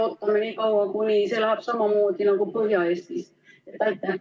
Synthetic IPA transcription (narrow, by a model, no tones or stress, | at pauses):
ot̪ːɑmenikɑuʋɑkuniːselhɑpsɑmɑmuːt̪inoŋkupøhjɑˑest̪i | ɑt̪æit̪ːæ